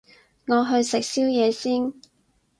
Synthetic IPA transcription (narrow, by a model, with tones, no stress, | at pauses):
ŋɔː˨˧ɦɵ˧ɥsɪ˨k̚siː˥wjɛː˨˧siː˥n